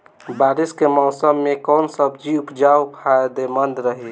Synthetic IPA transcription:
baːɾiskemɔːsəmːẽkɔːnsəbd͡ʒiupd͡ʒawpʰajd̪emənd̪ɾəɦi

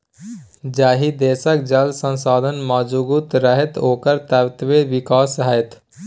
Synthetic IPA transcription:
d͡ʒaːɦid̪eːsək̚d͡ʒəlsə̃nsaːd̪ʱənmaːd͡ʒuɡut̪ɾəɦɛt̪oːkəɾt̪əʋt̪ʋeʋɪkaːsɦajt̪

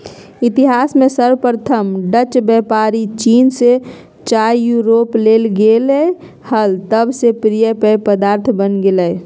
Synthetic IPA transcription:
it̪iɦasmesəɾpɾət̪ʰəmɖət͡ʃbɛpaɾit͡ʃinse | t͡ʃajjuɾoplelɡele | həlt̪əbsepɾijəpəpəd̪aɾt̪ʰbənɡeləj

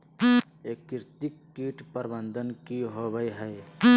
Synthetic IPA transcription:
eːkːɪɾt̪ikːiːʈpəɾbənd̪ənkiɦobəɦəj

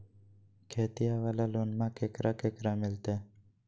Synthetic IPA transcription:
kʰeːt̪ijaʋalaloːnmãkeːkɾakeːkɾamɪlt̪e

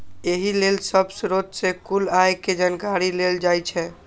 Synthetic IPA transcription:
eɦilelsəbsɾot̪sekulajked͡ʒankaɾileld͡ʒajt͡ʃʰɛ

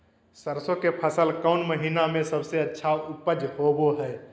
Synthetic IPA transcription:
səɾsõkepʰəsəlkəʊnməɦiːnamẽsəbseətːʃʰaʊpəd͡ʒhoːboɦɛː

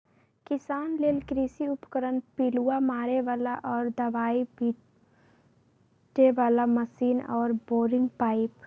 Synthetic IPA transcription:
kɪsaːnleːlkɾiːsiʊpkəɾənpiluamaːɾeʋaːlaʔɔːɾd̪ɐʋaːibiː | ʈeʋaːlamɐsiːnɔːɾboːɾɪ̃ŋɡ̚paːɪp

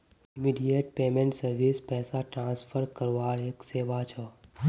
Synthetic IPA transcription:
ɪmiɖijeʈ̚peːmẽɳʈsəɾʋiːspɛːsaʈɾãːspʰəɾkəɾʋaːɾeːkseːʋat͡ʃʰə

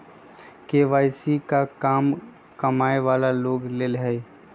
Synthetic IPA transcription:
keːʋaːɪsikakaːm | kɐmaːeʋaːlaloːɡleːlɦɛ

